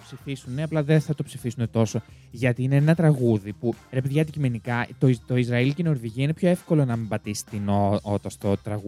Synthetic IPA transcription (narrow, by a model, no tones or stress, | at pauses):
psifisuneɐplɐðeθɐt̪o̞psifisune̞t̪o̞so̞ | ʝɐt̪iine̞enɐt̪ɾɐɣuðipuɾe̞peðʝiɐd̪icime̞nikɐt̪ot̪o̞izɾɐilceno̞ɾðiʝiɐine̞pço̞e̞fko̞lo̞nɐmibɐt̪isi̥t̪inoot̪ɐst̪o̞t̪ɾɐɣu